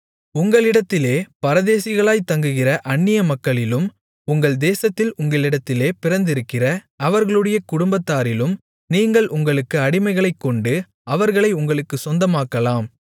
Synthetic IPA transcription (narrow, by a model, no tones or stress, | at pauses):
ʊŋɡɐɭɪɽɐt̪ːɪleːpɐɾɐðeːsɪɣɐɭaːjt̪ɐŋɡɯɣɪrɐʔɐɳːɪjɐmɐkːɐɭɪlɯm | ʊŋɡɐɭd̪eːsɐt̪ːɪlʊŋɡɐɭɪɽɐt̪ːɪleːpɪrɐnd̪ɪɾɯkːɪrɐ | ɐʋɐɾɣɐɭɯɽɐjɐkʊɽʊmbɐt̪ːaːɾɪlɯm | niːŋɡɐɭʔʊŋɡɐɭɯkːɯɐɽɪmɐɪɣɐɭɐɪkːɔɳɖɯ | ɐʋɐɾɣɐɭɐɪʊŋɡɐɭɯkːɯsɔnd̪ɐmaːkːɐlaːm